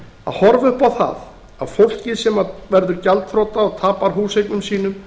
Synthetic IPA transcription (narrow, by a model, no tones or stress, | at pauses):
a̰ðhɔɾvʏhpawθa̰ð | a̰ðfowl̥cɪsɛmavɛɾðʏɾcalt̪fɾowt̪aɔɣt̪ʰaːpaɾ̥ɦuːsejknʏmsiːn̪ʏm